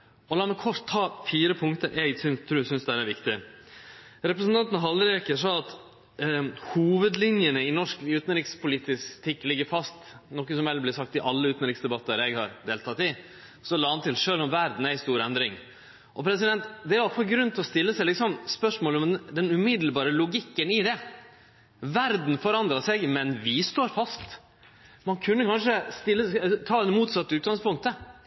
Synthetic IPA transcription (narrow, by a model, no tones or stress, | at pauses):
ɔlɑːmɛkʰɔʂt̪ʰːɑːfiːɾəpʰʊŋkt̪əɾʔæɡsʏnt̪ʰɾʉːsʏnsd̪ɛæɾæɾʋɪkt̪ɪ | ɾɛpɾəsnt̪ɑnt̪nəɦɑlɾekəʂɔɑt̪ | huːʋəd̪lɪnjənəɪnɔʂkʉːt̪nɾɪkspʰʊlɪt̪ɪst̪ʰɪkːlɪɡːəɾfɑst̪nɔkːəsɔmɛlblɪsɑk̚t̪ɪʔɑlːəʉːt̪nɾɪksd̪ɛbɑt̪ːəɾɛɡhɑɾd̪eːlt̪ʰɑt̪ɪ | sɔlɑːhɑnt̪ʰɪlʂøːlɔmʋæɾd̪n̩æɪst̪uːɾɛnd̪ɾɪŋ | ʔɔpʰɾɛsɪd̪ɛnt̪d̪ɛæɾʋɑlfɑlɡɾʉnət̪ʰɪlɔst̪ɪlːəsæɪlɪksɔmspœʂmoːlɔmd̪ɛnʉmɪd̪l̩bɑːɾəlʊɡɪkːənɪd̪ɛ | ʋæɾd̪n̩fɔɾɑnd̪ɾɑsɛɡmɛnʋɪst̪oːɾfɑst̪ | mɑnkʰʉnːəkɑnʂəst̪ɪlːət̪ʰɑːɛɛmuːt̪sɑt̪ːəʉːt̪ɡɑŋspʰʊŋk̚t̪ə